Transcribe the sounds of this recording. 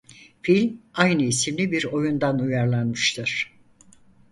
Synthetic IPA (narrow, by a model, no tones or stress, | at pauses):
filʲmajnɯisimlʲibiɾo̞jund̪anujaɾlˠanmɯʃt̪ʰɯɾ̥